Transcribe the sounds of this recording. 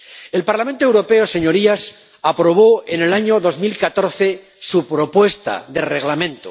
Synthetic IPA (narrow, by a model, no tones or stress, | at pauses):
e̞lpaɾlament̪oewɾo̞pe̞ose̞ɲoɾias | apɾo̞β̞oenelaɲoðozmilkat̪o̞ɾθe̞ | supɾo̞pwe̞st̪a̰ðe̞reɣ̞lamẽ̞nt̪o̰